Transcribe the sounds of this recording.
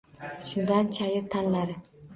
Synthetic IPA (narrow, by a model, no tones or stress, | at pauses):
ʃʊnd̪ant͡ʃʰajɪɾt̪ʰanlaɾɪ